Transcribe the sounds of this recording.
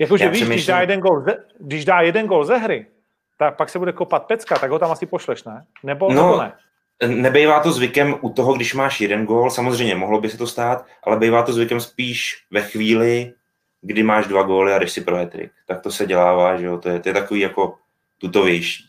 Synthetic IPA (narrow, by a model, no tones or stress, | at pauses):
jakoʒjaɛviːɛʃmɪʃdaːjɛdɛnɡolzɛɡdɪʒdaːjɛdɛnɡoːlzɛɦɾɪ | t̪ak̚paksɛbudɛkopat̪̚pɛt͡skat̪aɡɦot̪amasɪpoʃlɛʃnɛnɛbonoonɛ | nɛbɛjvaːt̪o̞zvɪkɛmʔut̪oɦoɡdɪʃmaːʃjɛdɛnɡoːlsamozrɛjmɲɛmoɦlobɪsɛt̪o̞st̪aːt̪ʔa̰lɛbɛjvaːt̪ozvɪkɛmspiːʃvɛxviːlɪ | ɡdɪmaːʒdvaɡoːlɪadɪʃsɪpɾoɦɛt̪ɾɪ̰kt̪ak̚t̪osɛɟɛlaːvaːʒɛot̪ojɛt̪ojɛt̪akoviːjako̞ | t̪ut̪o̞vjɛjʃiː